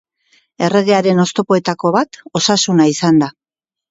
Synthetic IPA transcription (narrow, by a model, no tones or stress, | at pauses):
e̞re̞ɣe̞aɾe̞no̞st̪o̞po̞e̞t̪ako̞βat̪o̞sasunaisand̪a